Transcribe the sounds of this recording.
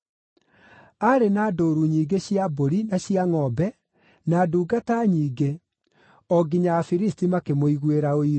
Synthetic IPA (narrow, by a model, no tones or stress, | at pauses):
aɾenaːdoːɾuɲiːɡeɕiaboɾinaɕiaŋɔbɛ | naːduːɡataɲiːɡe | ɔɡiɲaafiɾistimakemoiɣweɾaoi